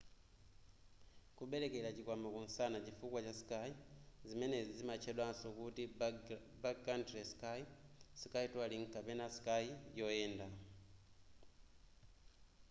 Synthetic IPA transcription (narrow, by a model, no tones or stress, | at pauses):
kuɓe̞lekelacikwaːmakunsanacifukwacasi̥kajizime̞nezizimat͡ʃelwansokuti | bakantresi̥kajisi̥kaitwaliŋkapenasi̥kajijo̞jeːnda